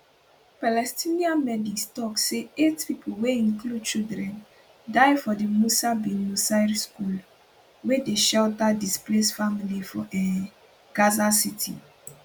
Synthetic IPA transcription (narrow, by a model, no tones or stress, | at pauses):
palɛstĩniãmɛdikstɔkseetpipʰoweĩnklud̚t͡ʃildɹɛ̃n | daɪfɔdemusabĩnusaɹskul | wedeʃɛltadisplesfamilifɔʔɛ | ɡ̥azasitʰḭ